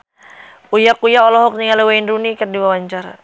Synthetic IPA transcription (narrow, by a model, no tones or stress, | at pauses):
ujakujaɔlɔɦɔk̚niŋalɛwaindunikərdiwawaɲt͡ʃaɾa̰